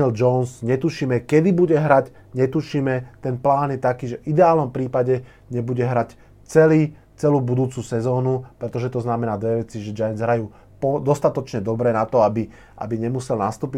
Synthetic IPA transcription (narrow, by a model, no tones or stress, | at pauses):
ɛld͡ʒɔʊnsɲɛt̪uʃiːmɛkɛd̪ibuɟɛɦɾac | ɲɛt̪uʃiːmɛt̪ɛnplaːnjɛt̪akiːʒɛʔid̪ɛaːlnɔmpɾiːpaɟɛ | ɲɛbuɟɛɦɾac | t͡sɛliː | t͡sɛluːbud̪uːt͡susɛzɔːnupɾɛt̪ɔʒɛt̪ɔznamɛnaːd̪ʋɛʋɛt͡siʒɛd͡ʒajɛnzɦɾajuː | pɔd̪ɔst̪at̪ɔt͡ʃɲɛd̪ɔbɾɛːnat̪ɔabi | ʔa̰biɲɛmusɛlnast̪uːpi